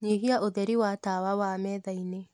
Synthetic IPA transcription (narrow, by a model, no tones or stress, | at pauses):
ɲeɦiaʔoðɛɾiwatawawamɛːðaine